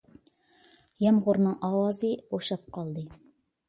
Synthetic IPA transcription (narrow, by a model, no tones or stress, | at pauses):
jɛmʁʊɾnɨŋʔɑwɑzɨoʃɑp̚qɑlˠd̪ɨ